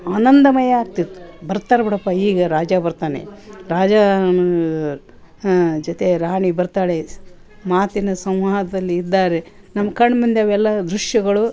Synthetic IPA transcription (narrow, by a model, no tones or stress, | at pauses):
aːnɐnd̪ɐmɐjɐaːk̚t̪it̪ːu̥bɐɾt̪aːɾebiɽɐpːaiːɡɐɾaːd͡ʒaːbɐɾt̪aːnḛɾaːd͡ʒaː | d͡ʒot̪e̞ɾaːɳibɐɾt̪aːɭe | maːt̪inɐsɐmʋaːd̪ɐd̪ɐlːiːd̪ːaːɾe | nɐmːɐkɐɳːmund̪eɐʋɛlːɐd̪ɾuʃjɐɡɐɭu